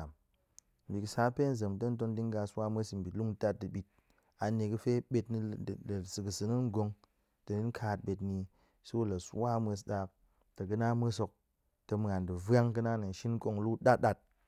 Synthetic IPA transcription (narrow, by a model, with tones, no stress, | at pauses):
a˨m | m̩˨bʲi˨ksa˦pe˦n̩˨ze˨m˨tɐ˦n̩˦t̬o˧ndi˦ŋ˦ɡa˧swa˦mʷ˦e˦sm̩˨bi˨tlu˦ŋ˦ta˦t̚dɨ˨ɓi˨t̚ | a˨ne˧kɨ˧fe˦ɓe˧tni˧˨lsɨ˨kɨ˨sɨ˧nɨ˦ŋ˦ɡo˧ŋ | tɐ˨ni˦n˦kʰa˧t̚ɓe˧tni˧ | su˦wu˦la˨su˦wa˦mʷ˦e˧s̬ɗa˧k̚ | tɐ˨kɨ˦na˦m˦e˦so˧k̚ | tɐ˧m˨a˨ndɨ˨va˦ŋkɨ˧na˦nɨ˨n̩˨ʃi˦n˦ko˧ŋ˨lu˦ɗa˦ɗa˦t̚